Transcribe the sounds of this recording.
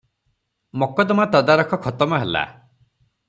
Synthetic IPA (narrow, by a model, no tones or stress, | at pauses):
mɔkɔd̪ɔmat̪ɔd̪aɾɔkʰɔkʰɔt̪ɔmɔɦela̰